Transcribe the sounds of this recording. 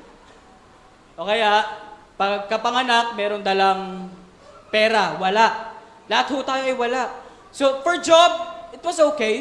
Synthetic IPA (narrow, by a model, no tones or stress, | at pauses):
ʔokɐjaʔ | pɐɡ̚kɐpɐŋɐnak̚mɛːɾond̪ɐlaŋ | pɛːɾɐwɐlaʔ | lɐhat̪̚hʊt̪aːjoʔɐjwɐlaʔ | sofɔɹd͡ʒob̚ɪt̪wɐsoːkej